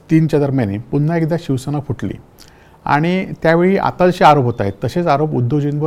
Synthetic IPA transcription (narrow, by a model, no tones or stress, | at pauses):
t̪iːnt͡ɕad̪əɾmjanepunːaekd̪aɕiʋsənafʰuʈlḭː | a̰ɽ̃it̪jaʋeɭiːʔa̰t̪ad͡zəɕeaɾopɦot̪aɦet̪ːəɕet͡saɾopud̪ːəd͡ʑinʋə